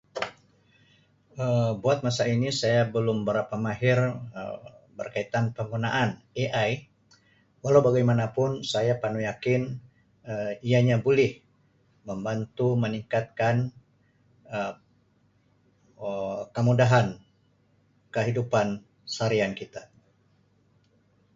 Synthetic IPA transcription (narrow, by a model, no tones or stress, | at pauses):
əbuat̪̚masainisajabəlʊmbəɾapamaɦɪrə̰bərkait̪anpəŋɡunaʔan | eʔaj | walawbaɡajmanapʊnsajapanujakɪn | əijaɲabulɪh | məmbant̪uməniŋkat̪̚kan | ə | əkəmudaɦan | kəɦidupan | saɾiankit̪a